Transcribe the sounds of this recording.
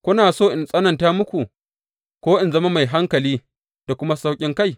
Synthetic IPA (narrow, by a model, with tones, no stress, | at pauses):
kʷʊ˦naː˨soː˦˨ʔɪ˨nsʼɐ˦nɐ˨ntaː˦mʊ˦kʷu˨ | kʷoː˦ʔɪ˨nzɐ˦ma˦ma˨jɦa˦ŋkɐ˨liː˦ | d̥a˨kʷʊ˦ma˦sa˦wkʲʼɪ˦ŋka˦j